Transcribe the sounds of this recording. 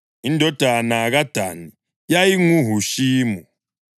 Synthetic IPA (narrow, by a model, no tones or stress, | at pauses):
indʱɔd̥ʱanaɣad̥ʱa̰ni | jajiŋuɦuʃiːmu